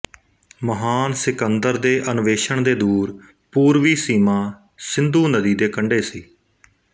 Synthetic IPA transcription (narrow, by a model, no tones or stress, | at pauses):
məɦaːnsɪkənd̪əɾd̪eːʔənʋeːʃəɳd̪eːd̪uːɾ | puːɾʋiːsiːmãː | sɪnd̪uːnəd̪iːd̪eːkəɳɖeːsiː